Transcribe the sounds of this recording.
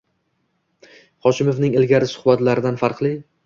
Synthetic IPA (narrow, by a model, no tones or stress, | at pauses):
χɒʃɪmofnɪŋelɡʲaɾɪsʊ̥hbat̪laɾɪd̪anfaɾqlˠi